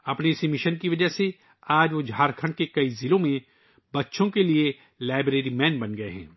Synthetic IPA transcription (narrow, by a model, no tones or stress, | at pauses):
ɐpneɪsemɪʃənkiʋɐd͡ʒəse | aːd͡ʒʋod͡ʒʱaːɾkʰə̃ɳɖkekɐizɪlõmẽ | bɐtːʃõkelie | laːɪbɾeːɾimɛ̃ːnbɐnɡɐeɦɛ̰̃ː